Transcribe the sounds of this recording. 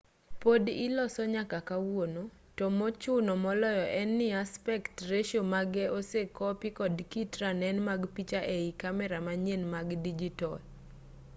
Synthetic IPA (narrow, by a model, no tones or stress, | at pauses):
podɪlɔsɔɲakakawono | tɔmɔt͡ʃʊnɔmɔlɔjɔʔɛnːɪaspɛktreʃomaɡɛosekɔpɪkɔdkitɾanɛnmaɡpit͡ʃaʔeikamɛɾamaɲenmaɡdid͡ʒitɔl